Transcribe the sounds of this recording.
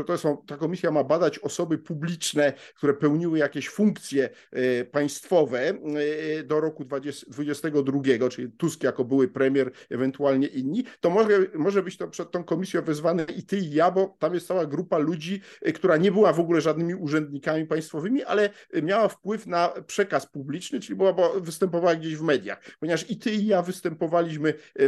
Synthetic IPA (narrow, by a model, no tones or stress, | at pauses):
t̪ɔsɔ̃w̃t̪akɔmʲisʲjamabad̪at͡ɕɔsɔbɘpublʲit͡ʂnɛkt̪uɾɛpɛwɲiwɘjakʲɛɕfuŋkt̪sʲjɛ | paj̃st̪fɔvɛ | d̪ɔɾɔkud̪vaɛsd̪vud͡ʑɛst̪ɛɡɔd̪ɾuɡʲɛɡɔt͡ʂɘlʲit̪uskʲijakɔbɘwɘpɾɛmʲjɛɾɛvɛnt̪ualɲɛʔinɲit̪ɔmɔʐɛmɔʐɛbɘt͡ɕt̪ɔpʂɛt̪̚t̪ːɔ̃w̃kɔmʲisʲjɔ̃w̃vɘzvanɛʔit̪ɘijabɔt̪amjɛst̪sawaɡɾupalud͡ʑikt̪uɾaɲɛbɘwavɔɡulɛʐad̪nɘmʲiuʐɛnd̪ɲikamʲipaj̃st̪fɔvɘmʲiʔa̰lɛmʲjawafpwɘfnapʂɛkaspublʲit͡ʂnɘt͡ʂɘlʲibɔwabɔvɘst̪ɛmpɔvawaɡd͡ʑeɕvmɛd̪ʲja̰xppɔɲɛvaʂit̪ɘijavɘst̪ɛmpɔvalʲiɕmɘ